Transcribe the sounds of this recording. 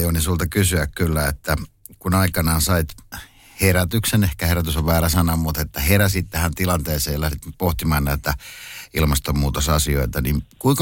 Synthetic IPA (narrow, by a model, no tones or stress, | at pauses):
jonisuːlt̪ɑkysyækkylːæet̪ːæ | kunɑikɑnɑːnsɑit̪ | heræt̪yksenehkæheɾæt̪ysoʋʋæːræsɑnːɑmmut̪et̪ːæheræsit̪t̪æhænt̪ilɑnt̪eːseːjlæhdit̪poht̪imɑːnnæˑit̪æilmɑst̪ommuːt̪osɑsio̰it̪ɑninkuiŋkɑ